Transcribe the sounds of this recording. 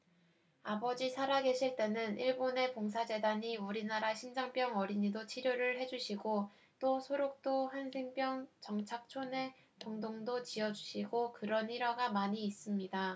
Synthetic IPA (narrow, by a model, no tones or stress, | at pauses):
abʌd͡ʑisʰaɾaɡe̞ɕʰiɭt͈e̞nɯniɭbone̞poŋs̬ʰad͡ʑe̞daɲiuɾinaɾaɕʰind͡ʑaŋp͈jʌŋʌɾiɲidot͡ɕʰiɾjoɾɯɭhe̞d͡ʑuɕʰiɡo | t͈osʰoɾok̚t͈ohansʰeŋp͈jʌŋt͡ɕʌŋt͡ɕʰak̚t͡ɕʰone̞ | pʌŋdoŋdot͡ɕiʌd͡ʑuɕʰiɡokɯɾʌniɾaɡamaɲiːs͈ɯmɲida